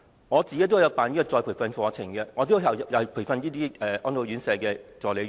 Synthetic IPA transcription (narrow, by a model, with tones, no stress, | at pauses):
ŋɔː˨˧t͡siː˨ke˨˦˥t̪o˥˨˧jɐ˨˧wpaː˨niː˥kɔ˧t͡sɔː˨˧jpʰu˨˩fɐ˧nfɔː˨˧t͡sʰɪ˨˩ŋkɛ˧ŋɔː˨˧t̪̬o˥jɐ˨˩wɐ˨jɐ˨˩pʰu˨˩jfɐ˧njiː˥t̪iː˥ʔɛː˨ʔɔː˥nt̪o˧wɥyː˨˥nsɛː˨˧kɛː˧t͡sɔː˨le˨˧˥